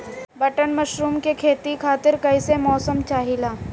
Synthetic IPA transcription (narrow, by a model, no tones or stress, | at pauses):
bɐʈənmɐʃɾuːmkekʰeːt̪ikʰaːt̪ɪɾkɐɪsemɔːsəmt͡ʃaːɦilaː